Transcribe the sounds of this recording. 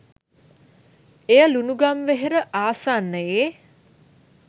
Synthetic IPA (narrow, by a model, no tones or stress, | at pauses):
ejəlunuɡamʋeɦeɾəʔaːsaːnːəjeː